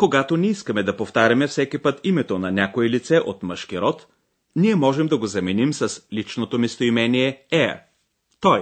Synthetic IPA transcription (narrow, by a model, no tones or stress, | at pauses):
koɡat̪onɛiskɐmɛd̪ɐpoft̪aɾʲɐmɛfsɛkipɤt̪imɛt̪onɐnʲakoɛlit̪sɛʔot̪məʃkiɾɔt̪ | niɛmɔʒɛmd̪ɐɡozɐminimsɐslit͡ʃnot̪omist̪oimɛniɛɛɐ̰ | t̪ɔj